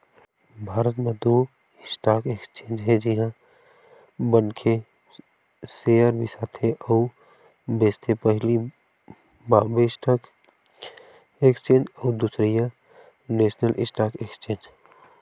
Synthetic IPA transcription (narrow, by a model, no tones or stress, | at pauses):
bʱaːɾət̪med̪u | ɪsʈaːkekst͡ʃẽːnd͡ʒɦɛd͡ʒɪɦã | bənkʰe | seəɾbʱisaːt̪ʰeʔɔʊ | beːst̪ʰepəɦɪli | babesʈʰaːk | ekst͡ʃẽːnd͡ʒɔːd̪usɾija | neːsnəlʔɪsʈaːkekst͡ʃẽːnd͡ʒ